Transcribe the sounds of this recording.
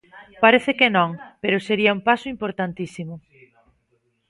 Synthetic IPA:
paɾeθɪkenõŋpeɾʊseɾiaumpasʊimpoɾt̪ant̪isimʊ

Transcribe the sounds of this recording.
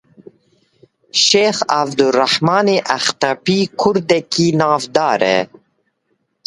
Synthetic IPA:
ʃeːxavd̪uraħmɑːneːʔæxt̪apiːkʰʊɾd̪ɛkiːnɑːvd̪ɑːɾɛ̰

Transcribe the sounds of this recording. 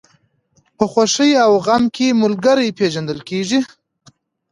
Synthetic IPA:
pəxwaʂəjawɣamkʰemʊlɡaɾəjpeʒand̪əlkeʐi

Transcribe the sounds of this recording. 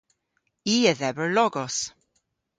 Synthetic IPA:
iːəðɛvəɹlɔɡɔs

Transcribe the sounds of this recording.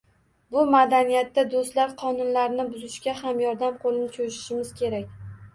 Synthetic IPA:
bʊmad̪anijat̪ːad̪ost̪laɾqʰɒnʊnlaɾnɪbʊzɪʃkʲahamjɒɾd̪amqʰolɪnɪt͡ʃʰojʃɪ̥ʃɪmɪz̥kʲʰe̞ɾakʲ

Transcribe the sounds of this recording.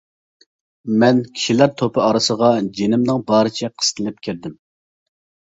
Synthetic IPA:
mɛnkʲʰi̥ʃilæɾt̪ʰopʰɨɑɾɨsəʁɑd͡ʒenɪmnɨŋbɑːɾɨt͡ʃʰɛqʰə̥st̪ʰɪlɪp̚kʲʰiɾd̪ɪm

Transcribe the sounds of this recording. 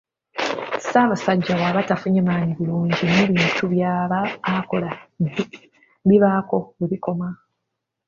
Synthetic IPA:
saβasaɟːaβwaːβatafuɲemaːɲiβiluːɲɟineβiːntʰuβjaːβaːko̞la | βiβako̞eβiko̞ma

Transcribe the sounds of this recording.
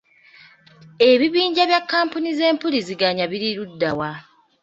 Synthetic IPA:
e̞βiβiːɲɟaβjakːaːmpunize̞ːmpuliziɡaɲaβiɾiɾudːawa

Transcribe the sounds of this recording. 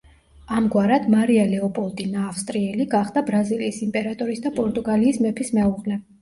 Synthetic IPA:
amɡwaɾad̪maɾialɛɔpʼɔlˠt̪ʼinaːfst̪ʼɾiɛliɡaχd̪abɾaziliːsimpʼɛɾat̪ʼɔɾisd̪apʼɔɾt̪ʼuɡaliːsmɛpʰismɛuʁlɛ

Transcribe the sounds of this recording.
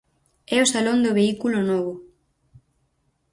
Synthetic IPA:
ɛosalond̪ʊβeikulonɔβʊ

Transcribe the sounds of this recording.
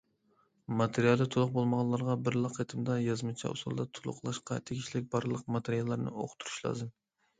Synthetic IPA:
mɑt̪ʰeɾijɑlˠɨt̪ʰulˠʊq̚bolˠməʁɑlˠɑɾʁɑbɪɾlˠɑqʰːet̪ʰɨmd̪ɑjɑzmɨt͡ʃʰɛ̰ṵsṵlˠd̪ɑt̪ʰulˠʊ̰qʰlˠɑʃqɑ̰t̪ʰeɡʲiʃlɪk̚ʲbɑɾlˠəq̚mɑt̪ʰeɾijɑlˠːɑɾnɨ̰o̰qʰʊ̥t̪ʰuɾu̥ʃlˠɑ̰ːzɨm

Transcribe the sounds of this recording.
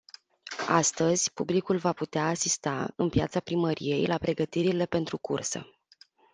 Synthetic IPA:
ast̪əzʲpublikulvaput̪eaːsist̪a̰ɨnpija̰t̪sapɾiməɾḭje̞jlapɾe̞ɡət̪iɾile̞pe̞nt̪ɾukursə̰

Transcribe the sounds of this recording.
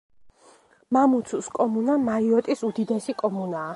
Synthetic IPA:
mamut̪sʰuskʼɔmunamaiɔt̪ʼisud̪id̪ɛsikʼɔmunaː

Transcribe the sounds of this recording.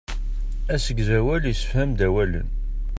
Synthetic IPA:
æsəɡzæwælisə̥fhæmd̪æwælə̰n

